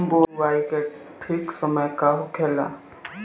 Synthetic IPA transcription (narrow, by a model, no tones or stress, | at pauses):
boʋajke | ʈʰiksəməjkaɦukʰela̰